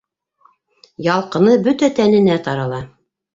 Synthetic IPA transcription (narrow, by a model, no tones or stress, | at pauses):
jɑlˠqɤ̆nɤbɵt̪æt̪ænɘ̆næt̪ɑɾɑlˠɑ